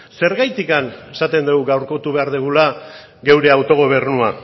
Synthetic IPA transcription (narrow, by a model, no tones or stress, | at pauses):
se̞ɾɣajt̪ikane̞sat̪e̞nd̪eɣuɣawɾko̞t̪uβe̞aɾðeɣ̞ula | ɣe̞wɾe̞awt̪o̞ɣ̞o̞β̞e̞ɾnua